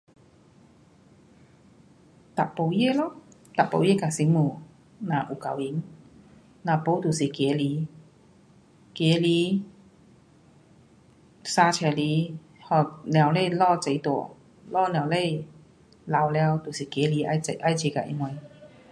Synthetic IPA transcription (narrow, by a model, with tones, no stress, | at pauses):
t̪a˨˩po˧˩wje˥˧˨lɔ˧˦t̪a˨˩po̰˧˩wje˥˩˨ka˨˩si˧˦mu˨˩ | nã˨ʔu˨˩ka˧˨wi˨˦n | nã˨po˧˦t̪u˨˩si˨˩kje˨˦li˨˧˦ | kje˨˧˦li˨˧˦ | saː˧t͡ɕʰɛ˧˩li˨˦ | hɔ˨˩nj̃a˨˧˩wle˥˧˨lɔ˥˧˨t͡se˨˧˦jt̪u˨˩˨ | lɔ˥˩nj̃a˨˧˨wle˥˧j | la˨˧wlja˧wt̪u˨˩si˨˩ke˨˦li˨˦a˧e˧ʔa˥˧jt͡ɕe˧˦ka˧ʔḭ˧ŋwa˧